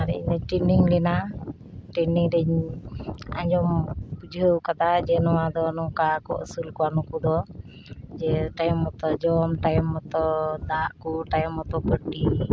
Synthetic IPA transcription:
aɾɛ̰ɲdɛʈinɖiŋlɛna | ʈɛnɖiŋɾɛɲ | a̰ɲd͡ʒɔmbud͡ʒəwkat̪ad͡ʒɛnɔwad̪ɔnɔŋkakɔ̰ʔṵsulkɔanɔkud̪ɔ | d͡ʒɛʈajmːɔt̪ɔd͡ʒɔmʈajmːɔt̪ɔd̪aʔkuʈajɔmːɔt̪ɔpəʈːi

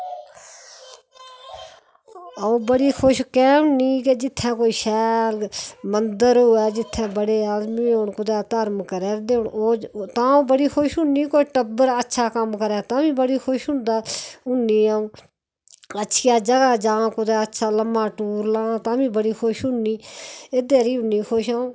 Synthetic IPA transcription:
əũːbəɽiːkʰoʃkɛːʊnĩːkeːd͡ʒɪt̪ʰːɛ̃ːkoːiːʃɛːlmənd̪əɾʊɛːd͡ʒɪt̪ʰːɛ̃ːbəɽeːaːzmiːʊɳkʊd̪ɛːt̪əɾmkəɾɛːd̪eɳoːt̪ãːũːbəɽiːxʰoːʃʊnniːkoːiːʈəbəɾətːʃʰaːkəmkəɾɛːt̪aːmĩːbəɽiːxʰoʃʊnd̪aːʊnːiːaːũː | ətːʃʰijaːd͡ʒəɡaːd͡ʒãːkʊd̪ɛːətːʃʰaːləmãːʈuːɾlãːt̪ãːmĩːbəɽiːxʰoːʃʊnːiːed̪eːɾiːʊnːiːxʰoːʃaːũː

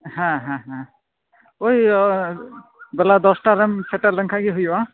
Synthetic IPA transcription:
hãɦãɦã | oj | bɛlad̪ɔsʈaɾamsʰɛʈalaŋkʰaɡiɦujwa

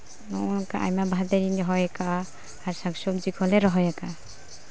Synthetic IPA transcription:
nɔɔnkaʔa̰jmabʱad̪ɛɾinɔɦɔjakaː | ɾsaŋsɔpd͡ʒikʰɔlɛɾɔɦɔjaka

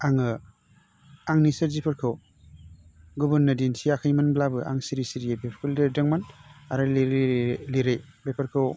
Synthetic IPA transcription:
aŋɯ | aŋnisɯɾzipʰɐɾkʰɯw | ɡubɯɾnːɐdinsiakʰajmanblabɯʔa̰ŋsiɾisiɾijebepʰkʰɯldedɐŋmanaɾalɾliɾej | bepʰɐɾkʰɯw

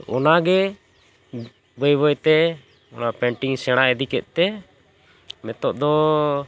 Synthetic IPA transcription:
ɔ̰naɡɛ | bəjbəjt̪ɛ | ɔnapɛɳʈiŋsɛɽ̃aɛd̪ikɛt̪̚t̪ɛ | mɛt̪ɔʔd̪ɔ

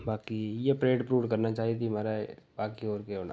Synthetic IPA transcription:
baːkijepɾeːʈpɾuːʋkɐɾnat͡ʃaːɦiet̪imaːɾaebaːkioːɾkeɦoːna̰

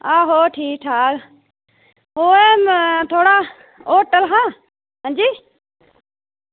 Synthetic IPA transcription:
aːɦoːʈʰiːk̚ʈʰaːk | oːeːmt̪ʰoːɽaː | oːʈəlɦãː | ɦə̃d͡ʒiː

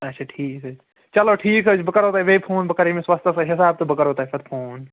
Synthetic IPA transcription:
ɐtːt͡ʃʰaːʈʰiːksɐd͡ʒ | t͡ʃɐloʈʰiːkɦəd͡ʒbɐkəɾɦoːt̪aːɦeʋeːpʰoːnbɐkəɾemẽswɐst̪ʰəsaɦɪsaːb̚t̪ɐbɐkəɾɦoːt̪aːifʰɐt̪̚pʰoːn

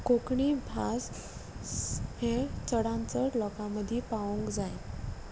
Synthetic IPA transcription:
kokɳibʱas | het͡səɽãnt͡səɾlɔkãməd̪ʱipaũŋkd͡zaj

